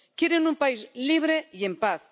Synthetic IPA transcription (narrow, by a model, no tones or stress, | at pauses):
kjeɾenumpaizliβ̞ɾeiempaθ